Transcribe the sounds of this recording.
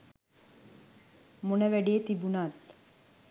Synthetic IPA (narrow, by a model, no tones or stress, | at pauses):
munəʋæɽijet̪ibunaːt̪